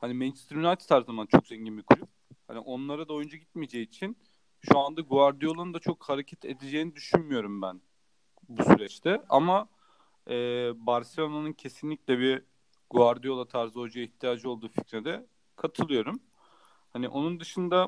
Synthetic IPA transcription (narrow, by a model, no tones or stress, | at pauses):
hanimɛnt͡ʃst̪ɾynat̪ʰi̥t̪ʰaɾzamant͡ʃʰo̞kzɛɲɟinbikʰulʲyp̚ha̰nḭʔo̞nlˠaɾad̪aojund͡ʒaɟit̪med͡ʒejiːt͡ʃʰin | ʃuand̪aɡuaɾd̪ijo̞lˠand̪at͡ʃʰo̞khaɾecʰɛt̪ʰed̪ed͡ʒejinid̪yʃynmyjo̞ɾumbæn | busyɾɛt͡ʃt̪ʰɛa̰ma | ɛːbaɾselʲˠonanɯncʰe̞sinlʲicʲlʲɛbiɾ | ɡuaɾd̪ijo̞lˠat̪ʰaɾzod͡ʒajaiçt̪ʰijaːd͡ʒɯo̞lˠd̪uːficɾed̪ɛ | kʰat̪ʰɯlˠɯjo̞ɾum | haniʔo̞nund̪ɯʃɯnd̪a